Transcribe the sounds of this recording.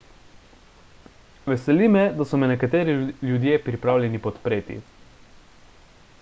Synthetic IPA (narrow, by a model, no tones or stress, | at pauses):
ʋɛsɛlimɛd̪asɔmɛnɛkat̪eːɾiljud̪jeːpɾipɾaːwlʲjʲɛnipɔt̪pɾeːt̪ḭ